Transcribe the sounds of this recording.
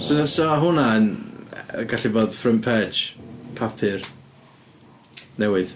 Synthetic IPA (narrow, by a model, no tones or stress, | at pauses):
ssɔaɦʊnaənəɡaɬiboːd̥frəmpʰɛd͡ʒpʰapʰɨr | nɛwɪð